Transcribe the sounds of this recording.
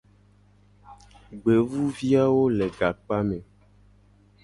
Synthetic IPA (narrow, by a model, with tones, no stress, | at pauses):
ɡ͡be˨vu˦vi˦a˦wo˦lɛ˨ɡa˨k͡pa˦mɛ̃˨